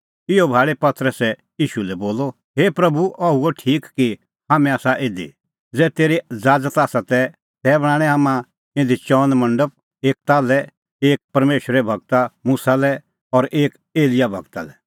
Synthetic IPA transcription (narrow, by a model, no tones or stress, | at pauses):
ɪobʱaːɭepɐt̪əɾəsɛ | iːʃulɛboːlo | ɦeːpɾɐbuʔɐuoʈʰiːkki | ɦaːmɛ̃aːsaʔẽːd̪ḭ | d͡zɛːt̪eːɾid͡zaːd͡zət̪aːsat̪ɛ | t̪ɛbɐɽ̃ãːɽ̃ɛ̃ɦaːmã | ɪ̃nd̪it͡ʃɔːnmɐ̃ɳɖəp̚ | eːk̚t̪aːlɛ | eːk̚pɐɾmeːʃəɾɛbʱɐɡ̚t̪amusalɛ | ɔɾʔeːk | eːlɪjabʱɐ̰ɡt̪a̰lɛ